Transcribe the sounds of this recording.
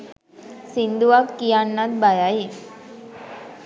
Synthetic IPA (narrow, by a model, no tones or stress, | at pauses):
sind̪uakkːijanːad̪bajaji